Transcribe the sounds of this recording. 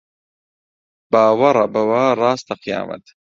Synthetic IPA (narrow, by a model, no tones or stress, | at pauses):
b̥aːwɐɾˤɐbɐwaːrˤɑːst̪ɐqʰija̰ːmɐ̰t̪